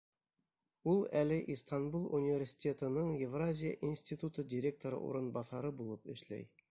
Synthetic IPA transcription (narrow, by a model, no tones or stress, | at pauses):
ulˠælɘʔist̪anbulˠunʲivʲerʲsʲi̥tʲe̞t̪ɤ̆nɤɴjevrazʲɪjə̰ʔinsʲt̪ʲit̪ut̪ɤdʲɪɾʲe̞k̚t̪oɾɤ̰ʔṵɾɤ̆nbɑθɑɾɤbulˠɤpɘ̰̆ʃlæ̰j